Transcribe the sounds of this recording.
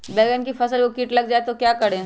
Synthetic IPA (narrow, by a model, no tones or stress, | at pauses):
beːɡənkifɐsəlkokiːʈlɐɡd͡ʒaːet̪okjaːkɐɽẽː